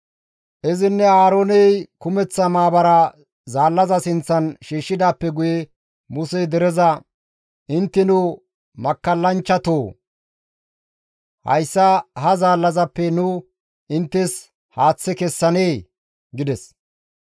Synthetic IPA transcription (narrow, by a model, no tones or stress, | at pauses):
ʔɪzɪnːɛaːɾoːnɛjkʊmɛt͡sːɐmaːbɐɾɐ | zaːlːɐzɐsɪnt͡sːɐnʃiːʃːɪd̪aːpːɛɡʊjɛ | mʊsɛjd̪ɛɾɛzɐ | ʔɪnt̪ːɪnʊ | mɐkːɐlːɐnt͡ʃːɐt̪oː | hɐ̰jsːɐhɐzaːlːɐzɐpːɛnʊ | ɪnt̪ːɪs | haːt͡sːɛkɛsːɐneː | ɡɪd̪ɛs